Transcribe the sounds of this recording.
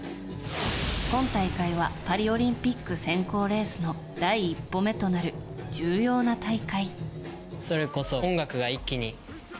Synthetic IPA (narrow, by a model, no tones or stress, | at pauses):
kõ̞nt̪aikaiβ̞apaɾʲio̞ɾʲĩmpʲikːɯ̟sẽ̞ŋko̞ːɾe̞ːsɨno̞ | d̪̥aiːpːo̞me̞t̪o̞naɾɯ̟d͡ʑɨːjo̞ːnat̪aikai | so̞ɾe̞ko̞sõŋɡakɯ̟ɡaikʲːiɲ̟i